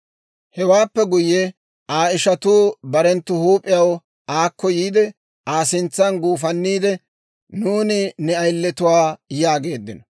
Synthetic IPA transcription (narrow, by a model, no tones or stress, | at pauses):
hɛwaːpːɛɡʊjːɛ | aːɪʃɐt̪uːbɐɾɛnt̪ːʊhuːpʼːɪjɐw | ʔaːkːɔjiːd̪ɛ | aːsɪnt͡sːɐnɡuːfɐnːiːd̪ɛ | nuːnɪnɛɐjlːɛt̪ʊwaːjaːɡe̞ːd̪ːɪnɔ